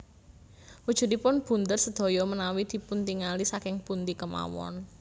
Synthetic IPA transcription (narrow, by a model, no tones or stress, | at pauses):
wud̥ʒ̥ṳd̪ipʊnb̥ṳnd̪ərsəd̪̥o̤jɔmənawid̪̥i̤punt̪iŋalisakɪŋpunt̪ikəma̰wɔ̰n